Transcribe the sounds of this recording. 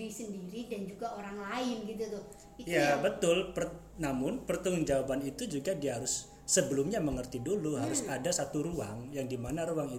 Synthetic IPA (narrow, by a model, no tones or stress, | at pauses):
ɾisəndiɾidand͡ʒuɡaoɾaŋlaɪnɡit̪ut̪ʊ | ijabət̪ʊlpər | namʊnpərt̪əŋʊŋd͡ʒawabanit̪ud͡ʒuɡadiaɦaɾʊsː | əbəlʊmɲaməŋərt̪iduluɦaɾʊsadasat̪uɾuaŋjaŋdimanaɾuaŋit